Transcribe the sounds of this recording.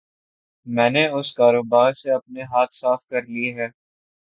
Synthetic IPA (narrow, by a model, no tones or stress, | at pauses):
mɛ̃ːneʊskaːɾoːbaːɾseɐp̚neɦaːt̪ʰsaːfkɐɾliɦɛː